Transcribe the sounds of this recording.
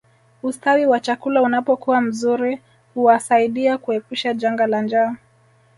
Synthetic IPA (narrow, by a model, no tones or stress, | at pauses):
ustawiwat͡ʃakulaunapɔkuwam̩zuɾi | huwasaiɗiakuɛpuʃad͡ʒaŋɡaland͡ʒa